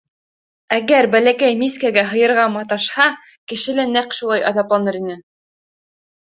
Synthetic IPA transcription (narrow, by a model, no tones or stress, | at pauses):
æɡæɾbælækæjmiskæɡæɦɤ̆jɤ̆ɾʁɑmɑt̪ɑʃhɑ | kɘ̆ʃɘ̆lænæqʃulˠɑjɑ̰ðɑplˠɑnɤɾinɘ